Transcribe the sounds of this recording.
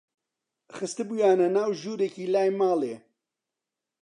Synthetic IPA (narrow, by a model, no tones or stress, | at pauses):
xɨst̪ɨbujaːnɐnaːwʒuːɾekiːlaːjmaːleː